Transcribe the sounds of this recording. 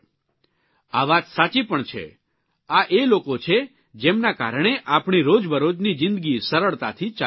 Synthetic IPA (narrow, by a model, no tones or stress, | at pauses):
aʋat̪sat͡ʃipəɳt͡ʃʰḛ | aʔelokot͡ʃʰe | d͡ʒemnaka̰ɾɳ̃eʔapɳiɾod͡ʒbʱəɾod͡ʒnid͡ʒɪ̃nd̪əɡisəɾəɭt̪a̰t̪ʰit͡ʃa